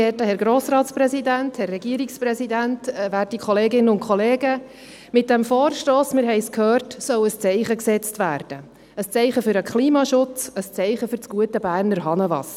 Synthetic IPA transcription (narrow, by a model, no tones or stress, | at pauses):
ɛtəhɛɾɡɾoːsɾɑːtsprɛsidænthɛrːɛɡiəɾikspɾɛsidæntːvæːrtikʰχɔleːɡɪnəʊnkʰχɔleːɡə | mɪt̚d̥ɛmfoːrʃtoːsmɪɾɦɛɪskʰhøːrtsœʊəst͡sɛɪχəksɛt͡stʋæːrd̥ə | əst͡sɛɪχəfʏɾəkʰχliːmɑʃʊt͡səst͡sɛɪχəfʏɾt͡sɡ̥uətəbæːɾnəɾɦɑnəvɑ̰s